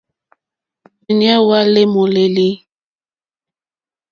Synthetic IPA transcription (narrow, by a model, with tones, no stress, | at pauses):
i˨nja˦wa˦le˦mo˨le˨li˦